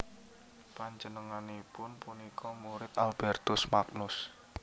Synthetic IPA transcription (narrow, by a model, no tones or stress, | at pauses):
paɲd͡ʒənəŋanipʊnpunikɔmuɾɪt̪alb̥ɛrt̪ʊsmaknʊs